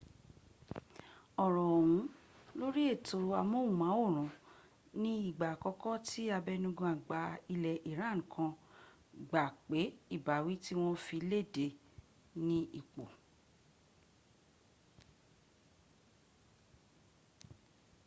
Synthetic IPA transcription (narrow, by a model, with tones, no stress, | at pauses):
ɔ˨ɾɔ̃˨wũ˨˦ | lo˦ɾi˦e˦˨to˧a˧mõ˦u˦˨mã˨˦o˦˨ɾ̃ɔ̃˨ | nĩ˦i˦˨ɡ͡ba˨kɔ˧˦kɔ˦ti˦a˧bɛ˧nũ˧ɡũ˧a˨ɡ͡ba˧i˧lɛ˨ʔi˨ɾ̃ã˨˦ŋ̩̃˨kʰã˧ | ɡ͡ba˨k͡pe˨˦i˦˨ba˨wi˨˦ti˦w̃ɔ̃˦fi˧˦le˦˨de˧ | nĩ˦i˨k͡po˨